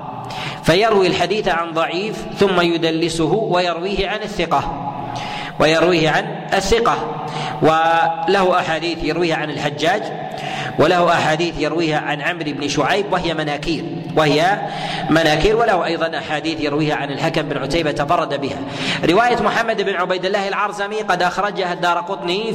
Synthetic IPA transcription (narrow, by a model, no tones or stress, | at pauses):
fajɑɾwilħad̪iːθʕanðˤɑʕiːf | θʊmːajʊd̪alːɪsʊɦʊwajɑɾwiːhɪʕanɪθːɪqɑ | wʔajɑɾwiːhʕan | ɪθːɪqɑ | walahʊʔaħaːd̪iːθjɑɾwiːhaʕanɪlħad͡ʒːaːd͡ʒ | wɪlahʊʔaħaːd̪iːθjɪɾwiːhaʕanʕamɾɪbnɪʃʊʕajbwahɪjamanaːkiːɾ | wahɪja | manaːkiːɾwalahʊʔɑjðˤɑnʔaħaːd̪iːθjɪɾwiːhaʕanɪlħakamɪbɪnʕʊt̪ajbat̪ɑfɑrˤːɑd̪abɪha̰ | ɾɪwaːjamʊħamːad̪ɪbɪnʕʊbajd̪ɪlːaːhɪlʕɑɾˤzamiqɑd̪ʔɑxɾˤɑd͡ʒahad̪ːɑːɾˤqʊt̪ˤni